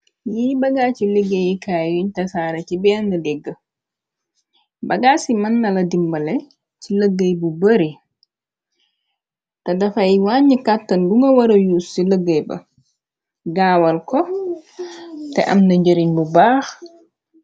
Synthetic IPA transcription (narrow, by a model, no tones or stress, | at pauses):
jiːbaɡat͡ʃilɛɡːajikaːwiɲtasaɾat͡ʃibɛndalɛɡːa | baɡasimanːaladimbalɛ | t͡ʃiləɡːajbubəɾi | tadafajwaɲikatːanduŋɡawaɾajusːiləɡːajba̰ | ɡaːwalkɔ | tɛ̰ʔa̰mndaɲd͡ʒeɾiɲbubaːx